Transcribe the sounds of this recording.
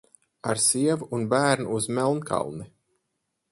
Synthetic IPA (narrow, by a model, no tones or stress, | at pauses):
aɾsiɛvuunbæːɾnuːzmʲɛlˠnkʰa̰lˠni